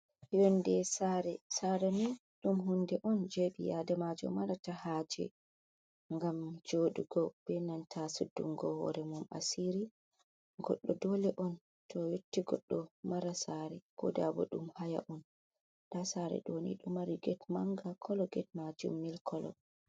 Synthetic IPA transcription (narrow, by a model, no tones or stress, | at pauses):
jondɛsaɾɛsaɾani | ɗumɦundɛʔɔnd͡ʒeɓijadamad͡ʒɔ̰maɾatahad͡ʒɛ̰ | ŋɡamd͡ʒoɗuɡɔb̥ɛnantʰasudːṵŋɡɔhɔ̰ɾɛmuma̰siɾi | ɡɔ̰ɗːɔdɔlɛʔɔn | tʰɔjotːiɡɔɗːɔmaɾasaɾɛko̰dabɔ̰ɗumhaja̰ʔɔn | ɗasaɾɛ̰ɗonḭɗumaɾiɡɛtmaŋɡakʰɔlɔɡɛt̚mad͡ʒṵmːilkʰɔlɔ̰